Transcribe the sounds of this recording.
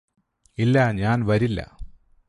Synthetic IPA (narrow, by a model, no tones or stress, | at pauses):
ilːaɲaːnʋɐɾilːɐ̰